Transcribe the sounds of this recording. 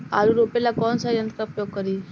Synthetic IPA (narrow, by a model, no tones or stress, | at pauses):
aluɾopelakɔnsaiənt̪ɾəəpjoɡ̚kəɾiː